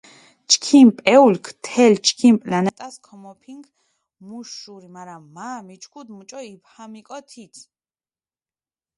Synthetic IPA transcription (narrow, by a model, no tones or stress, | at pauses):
t͡ʃʰkʰimpʼɛulkʰt̪ʰɛlt͡ʃʰkʰimpʼlanɛt̪ʼaskʰɔmɔpʰiŋɡ | muʃuɾimaɾaːamit͡ʃʰkʰud̪mut͡ʃʼɔiphamikʼɔt̪ʰit̪sʰ